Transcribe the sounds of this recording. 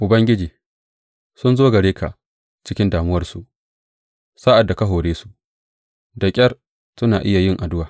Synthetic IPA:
ʔʊ˨bɐ˦ŋɡʲɪ˦d͡ʒiː˨ | sʊ˦nzoː˦ɡɐ˨ɽeː˦kʰa̰˨ʔ | t͡ʃɪ˦kʲɪ˦ndaː˨mʊ˦wɐ˦rsu˨ʔ | sa˦ʔa˨dːa˨kɐ˦ɦoː˨ɽeː˦su̥˨ʔ | dɐ˨kʲʼɐ˦r | sʊ˦naː˨ʔɪ˦ja˨jɪ˦˨ŋʔa˨dʊ˦waː˨

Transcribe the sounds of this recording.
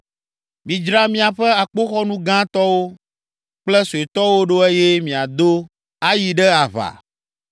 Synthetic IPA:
mĩ˨d͡ʒɾa˦mĩ˦a˨ɸɛ˦a˨k͡po˦xɔ˦nũ˦ɡã˦t̪ɔ˦wo˦ | k͡plɛ˦su˨e˨t̪ɔ˦wo˦ɖo˦e˦je˦mĩ˨a˨d̪o˦ | a˦ji˨ɖɛ˦a˨βa̰˨

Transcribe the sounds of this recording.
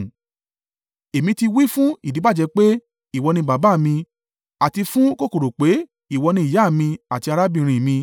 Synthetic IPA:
e˨mĩ˧ti˧wi˦fũ˦i˨di˨˦a˦˨d͡ʒɛ˧k͡pe˦ | i˦˨wɔ˧nĩ˧ba˨˦ba˨˦˨mĩ˧ | a˨ti˧fũ˦ko˦˨ko˨ɾo˨k͡pe˨˦ | i˦˨wɔ˧nĩ˧i˨ja˨˦˨mĩ˧a˨ti˧a˧ɾa˦bĩ˦˧˨ɾ̃ĩ˨mĩ˧

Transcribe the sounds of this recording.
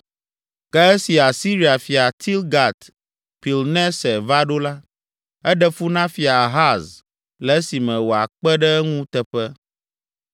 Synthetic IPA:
kɛ˦ɛ˦si˨a˨si˦ɾi˨a˨fi˨a˨t̪ʰi˦lɡa˨t̪ | pi˨lnɛ̃˦sɛ˨va˦ɖo˦la˦ | ɛ˦ɖɛ˦fu˦nã˦fi˨a˨ɦa˦z | lɛ˨˦si˨mɛ̃˨wo˨a˨k͡pɛ˦ɖɛ˦ŋũ˦t̪ɛ˨ɸɛ˦

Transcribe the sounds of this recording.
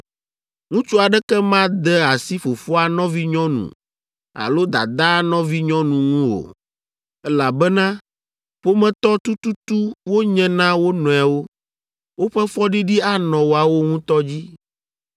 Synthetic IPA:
ŋũ˦t͡ʃu˦a˨ɖɛ˦kɛ˦mã˦d̪ɛ˦a˨si˦fo˨fɔ˦a˨nɔ̃˦vi˦ɲɔ̃˦nṵ̃˨ | a̰˨lo˦d̪a̰˨d̪a˦nɔ̃˦vi˦ɲɔ̃˦nũ˨ŋũ˦o̰˨ | ɛ˦la˨bɛ˦nã˦ | ɸo˦mɛ̃˨t̪ɔ˦t̪u˦t̪u˦t̪u˦wo˦ɲɛ̃˦nã˦wo˦nɔ̃˨a˨wo˦ | wo˦ɸɛ˦fɔ˦ɖi˦ɖi˦a˦nɔ̃˨wo˨a˨wo˦ŋũ˦t̪ɔ˦d͡ʑi˦

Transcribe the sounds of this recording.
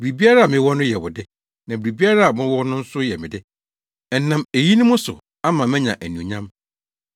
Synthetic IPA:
bɾi˨bi˦a˦ɾa˦a˨mɪ̃˦wɔ˦nʊ̃˦jɛ˨wʊ˨dɪ˦ | nã˨biɾi˨bi˦a˦ɾa˦a˨mɪ̃˦wɔ˦nʊ̃˦n̩˦sʊ˦jɛ˨mɪ̰̃˨dɪ˦ | ɛ˨˦nã˨me˨ji˦nʊ̃˦mʊ̃˦sʊ̰˨ | a˦mã˨mɛ̃˦ɲã˨ʔæ˨nũ˨ɲã˦m

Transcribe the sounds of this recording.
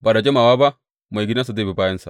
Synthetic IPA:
ba˨da˨d͡ʒe˦ma˨wa˦ba˦ | ma˨i˨ɡi˦na˦s̬a˨da˦˨bi˨ba˦jɐ˦nsa˨

